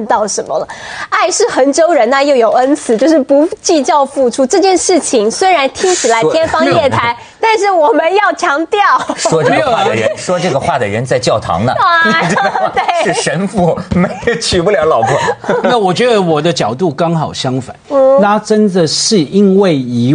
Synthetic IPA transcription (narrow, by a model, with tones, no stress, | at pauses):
t̪ɑ˥˩ʊʂə˧˥nmə˧lə˩a˥˧ɪʂɻ̩˥˩xə˧˥nt͡ɕo˥ʊɻə˧˥nna˥˧jo˥˩ʊjo˨˩ʊə˦˥nt͡sʰɹ̩˨˧˦t͡ɕjo˥˧ʊʂɻ̩˥˩pu˧˥t͡ɕi˥˧t͡ɕjɑ˥˧ʊfu˥˩ʈ͡ʂʰu˥ʈ͡ʂɤ˥˧t͡ɕjɛ˥˧nʂɻ̩˥˩t͡ɕʰi˧˥ŋswe˥ɪɻa˧˥nt̪ʰi˥ŋt͡ɕʰi˨˩la˧˥ɪjɛ˥nfɑ˥ŋjɛ˥˩t̪ʰa˧˥ɪ | t̪a˥˧nʂɻ̩˥˩wɔ˨˩mə˦njɑ˥˩ʊt͡ɕʰjɑ˧˥ŋt̪jɑ˥˩ʊʂwɔ˥˧˩wa˥˩d̪ə˨˩ɻə˧˥˦nnʂwɔ˥ʈ͡ʂɤ˥˩ɡə˩xwa˥˩d̪ə˩ɻə̰˧˥nt͡sa˥˧ɪt͡ɕjɑ˥˩ʊt̪ʰɑ̰˧˥ŋnə˧˨˧ | t̪we˥˩ɪɻ̩˥˩ʂə˧˥nfu˧˩me˧˥ɪjo˨˩ʊt͡ɕʰy˨˩pu˥˩ljɑ˧˥ʊlɑ˨˩ʊpʰu˥˩na˥˩wɔ˨˩t͡ɕɥɛ˧˥d̪ə˧˦wɔ˨˩d̪ə˦t͡ɕjɑ˨˩ʊt̪u˥˩kɑ˥ŋxɑ˨˩ʊɕjɑ˥ŋfa̰˨˩˦n̩˥˩na˥ʈ͡ʂə˥nd̪ə˨ʂɻ̩˥˩i˥nwe˥˩ɪi˧˥